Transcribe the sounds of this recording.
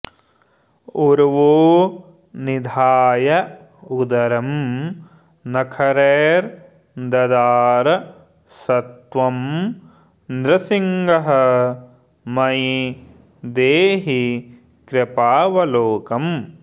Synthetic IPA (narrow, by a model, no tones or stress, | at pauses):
uɾʋoː | nid̪ʱaːjɐ | ud̪ɐɾɐm | nɐkʰɐɾeːɾ | d̪ɐd̪aːɾɐ | sɐt̪ʋɐm | nɾɐsiŋɡɐɦɐ̆ | mɐj | d̪eːɦi | kɾɐpaːʋɐloːkɐm